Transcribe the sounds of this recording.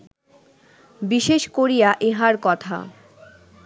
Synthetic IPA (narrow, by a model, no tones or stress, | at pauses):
biʃeʃkoɾijaʔeɦaɾkɔt̪ʰa̰